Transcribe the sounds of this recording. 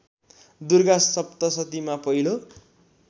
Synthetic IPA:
d̪urɡasːʌpt̪ʌsʌt̪imapʌɦilo

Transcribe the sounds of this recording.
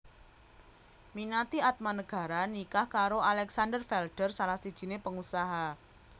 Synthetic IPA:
minat̪iat̪̚manəɡ̥ä̤ɾanikahkaɾoʔalɛksandərfɛlɖ̥ərsalahsid̥ʒ̥i̤nepəŋusaɦa

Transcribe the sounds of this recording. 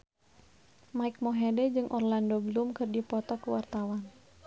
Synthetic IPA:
maik̚mɔɦedɛd͡ʒɨŋʔɔrlandoblumkɨrdipɔt̪ɔkəwart̪awan

